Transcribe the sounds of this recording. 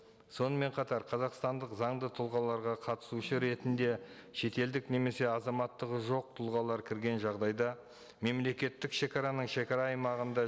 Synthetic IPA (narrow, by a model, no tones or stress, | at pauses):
so̞nəme̞ɴqʰɑt̪ɑɾqʰɑzɑqst̪ɑnd̪əqzɑɴd̪ət̪ʰʊlˠʁɑlˠɑɾʁɑqʰɑt̪ə̥suʃəɾe̞t̪ɪnd̪e̞ʃe̞t̪e̞ld̪ɪkne̞me̞se̞ɑzɑmɑt̪ːəʁəʒo̞q̚t̪ʰʊlˠʁɑlˠɑɾkʲʰɪɾɡʲe̞nʒɑʁd̪ɑjd̪ɑ | me̞mle̞kʲe̞t̪ːɪkʃe̞kʲɑɾɑnəɴʃe̞kʲɑɾɑːjmɑʁənd̪ɑ